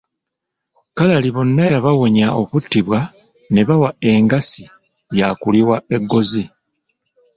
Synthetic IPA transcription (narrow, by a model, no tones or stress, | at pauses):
kalaliβo̞nːajaβawo̞ɲao̞βutːiβwa | ne̞βawae̞ːŋɡasi | jakuliwae̞ɡːo̞zi